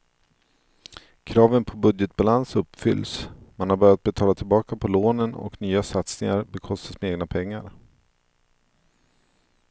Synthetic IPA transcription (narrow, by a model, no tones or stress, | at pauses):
kʰɾɑːvənpʰɔbɵd̪jɛt̪̚b̥alansɵpːfʏ̰lːsmanhaɾbœɾjat̪̚bɛt̪ʰɑːlat̪ʰɪlbɑːkapʰɔloːnənɔ̰knyːasat̪snɪŋaɾbɛkʰɔst̪asmɛeːɡnapʰɛŋːa̰ɾ